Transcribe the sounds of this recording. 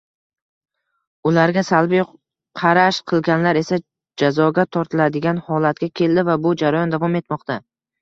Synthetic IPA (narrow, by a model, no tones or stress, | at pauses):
ʊlaɾɡʲasalbij | qʰɑɾaʃqʰɨlˠɡʲanlaɾe̞sa | d͡ʒazɒɡʲat̪ʰɒɾt̪ʰɪlad̪ɪɡʲanhɒlat̪̚kʲakʲʰe̞ld̪ɪvabʊd͡ʒaɾajɒnd̪avɒme̞t̪mɒqt̪a